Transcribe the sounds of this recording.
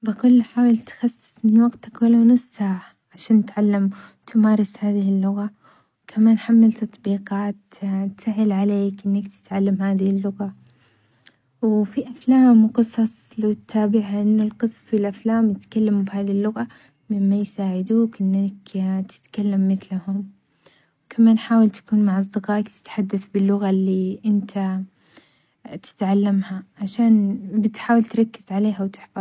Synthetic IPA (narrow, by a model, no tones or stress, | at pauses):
bɪkʊlːħaːwɪlt̪xɑsːɪ̥sˤmɪnwɑɡt̪akwalawnʊsːaːʕa | ʕaʃaːnɪt̪ʕalːamt̪ʰɪmaːɾˤɪshaːðɪhɪlːʊɣa | wkʰamaːnħamːalt̪ɑt̪ˤbiːqɑːt̪ | t̪saʕɪlʕaleːkʔɪnːakt̪ʰɪ̥t̪ʕalːamhaːðɪhɪlːʊɣa | wfiʔaflaːmqɨsˤɑsˤlt̪ʰːaːbɪʕaʔɪnːʊlqɨsˤɑ̥sˤwɪlʔaflaːmjɪt̪kalːamubhaːðilːʊɣa | mɪmːajsaːʕɪd̪uːkʔɪnːakt̪ʰɪ̥t̪kalːamːɪθlahʊm | kʰamaːnħaːwalt̪ḁkuːnmaʕɑs̬ˤd̪ɪqɑːʔkt̪ɪ̥t̪ħad̪ːaθbɪlːʊɣalːiʔɪnt̪ʰa | t̪ɪ̥t̪ʕalːamhaʕaʃaːnbɪt̪ħaːwɪlt̪ɾˤɑkːɪz̥ʕaleːɦawt̪ɪ̥ħfɑ